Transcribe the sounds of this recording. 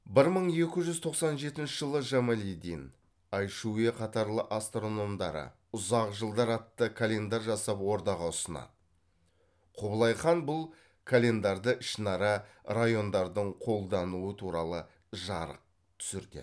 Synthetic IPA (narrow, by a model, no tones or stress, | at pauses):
bɪɾməɴe̞kʲɪʒʏzt̪ʰo̞qsɑnʒe̞t̪ɪnʃɪʒəlˠəʒamalʲid̪in | ɑjʃueqʰɑt̪ɑɾlˠəʔast̪ro̞no̞md̪ɑɾə̰ | ʊzɑqʒəlˠd̪ɑɾɑt̪ːəkʰalʲe̞nd̪aɾʒɑsɑpwo̞ɾd̪ɑʁɑʊsənɑ̰ | qʰoblˠɑjχɑnbʊlˠ | kʰalʲe̞nd̪ɑɾd̪əʔɪʃnɑɾɑrajo̞nd̪ɑɾd̪əɴqʰo̞lˠd̪ɑnuət̪ʰuɾɑlˠə | ʒɑɾə̰q̚ | t̪ʰʏ̥sɪɾd̪ɪ̰